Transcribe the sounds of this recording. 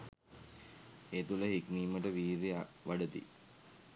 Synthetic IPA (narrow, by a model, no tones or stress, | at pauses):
et̪uləɦikniːməʈəʋiːɾiʋaɖət̪ḭ